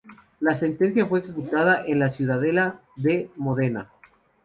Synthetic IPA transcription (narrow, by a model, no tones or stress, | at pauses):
lase̞nt̪e̞nsjafwe̞ːxe̞kut̪aðaʔenlasjuðaðe̞laðe̞mo̞ðe̞na̰